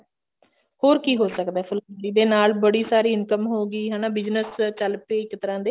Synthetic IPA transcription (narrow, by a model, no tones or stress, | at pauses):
hoːɾkiːɦoːsəkd̪aɛːpʰʊlkəɳɾiːd̪eːnaːlbəɽiːsaːɾiːɪnkəmɦoːɡiːɦɛːnãːbɪd͡ʒnəst͡ʃəlpeːɪkt̪əɾãːd̪eː